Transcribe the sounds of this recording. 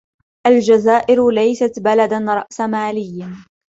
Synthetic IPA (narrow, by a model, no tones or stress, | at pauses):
ʔald͡ʒazaːʔɪɾlajsat̪balad̪anɾˤɑ̰ʔsamaːlɪjː